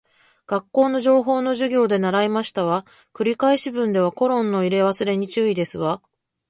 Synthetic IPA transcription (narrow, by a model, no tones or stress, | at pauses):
ɡ̥akːo̞ːno̞ʑo̞ːɦo̞ːno̞ʑɨɡʲo̞ːd̪e̞naɾaimaɕi̥t̪aβa | kɯ̟ɾʲikaiɕibɯ̟̃nd̪e̞β̞ako̞ɾõ̞nːo̞iɾe̞βasɨɾe̞ɲ̟it͡ɕɨːid̪e̞sɨβa